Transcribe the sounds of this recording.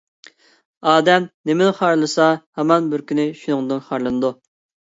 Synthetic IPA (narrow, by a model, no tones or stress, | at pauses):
ɑːd̪ɛmnɪmɪnɪχɑɾlˠɨsɑhɛmɑnbɪɾkʲʰynɪʃunɨŋd̪ɨnχɑɾlˠɨnɨd̪u